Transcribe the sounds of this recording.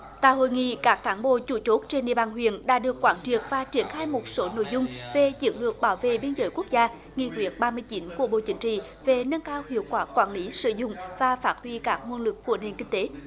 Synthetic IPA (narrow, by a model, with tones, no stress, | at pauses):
t̪a̰ː˧˨jho̰˧˨jŋḭ˧˨kaː˦˥kːaː˨˦nɓo̰˧˨t͡ɕu˧˩t͡ɕo˦˥t̚t͡ɕe˧nɗḭ˧əɓaː˧˩nɦwḭ˧˨ənɗa̰ː˧˥ɗɨ˨˩əkːwaː˨˦nt͡ɕi˨˩ək̚vaː˨˩t͡ɕi˧˩ənxaː˧jmo˨˩t̚so˨˦no̰˧˨jzʊ˧ŋ͡mve˨˩t͡ɕɨ̰˨˧˦əŋlɨ˨˩ək̚ɓaː˧˩wvḛ˧˨ɓi˧ənzəː˨˦jku˦˥k̚zaː˧ | ŋḭ˧˨kwi˨˦˩ət̚ɓaː˧mɨ˧əjt͡ɕi˨˦nku˧˩əɓo̰˧˨t͡ɕï˨˦ŋ̟t͡ɕḭ˧˨ | ve˨˩nə˧nkaː˧whḭ˧˨əwkwaː˨˦˥kwaː˧˩nli˨˦sɨ̰˧˨zʊ̰˧˨ŋ͡mvaː˨˩faː˦˥t̚hwi˧kaː˦˥k̚ŋwu˧ənlɨ˨˩kːu˧˩əne˨˩nkï˧ŋ̟t̪e˨˦